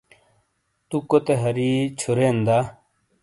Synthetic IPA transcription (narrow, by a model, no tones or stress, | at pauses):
t̪ukot̪eɦɐɾit͡ɕʰuɾend̪a